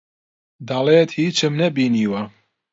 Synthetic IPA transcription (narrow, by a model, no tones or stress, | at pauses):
d̪ɐleːt̪hiːt͡ʃɨmnɐbiːniːwɐ